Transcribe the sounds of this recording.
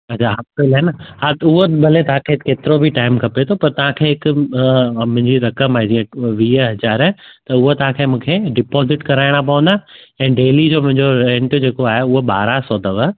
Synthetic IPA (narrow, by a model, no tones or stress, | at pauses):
ɐt͡ɕʰaɦɐppelaːɦenəhãt̪ʊɦobɐlet̪ɐɦãkʰekeːt̪ɪɾobʱiʈaːɪmkʰɐpet̪ʰopɐɾt̪ɐʋãkʰeːɦɪkʊ | mʊ̃ɦɪ̃ɲd͡ʑiɾɐkəmaːɦed͡ʑiə̃ʋiːɦɐzaːɾət̪ɐʊɦot̪ɐɦãkʰeːmũːkʰeɖɪpɔːzɪʈkɐɾaːɪɽ̃ap̬ɐʋə̃nd̪aɛ̃ːɖeːlid͡ʑoːmʊ̃ɦɪ̃ɲd͡ʑoɾɛ̃ɳʈd͡ʑeːkoaːɦeʊɦoɓaːɾasɔːd̪ʱɐʋə